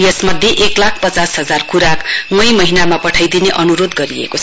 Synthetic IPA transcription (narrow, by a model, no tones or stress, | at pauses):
jesmʌd̪ʱjeʔeklakʰpʌt͡sasɦʌd͡zarkʰuɾakŋʌ̃jmʌɦinamapʌʈʰʌjd̪ineʔʌnuɾod̪ɡʌɾiḛkot͡sʰ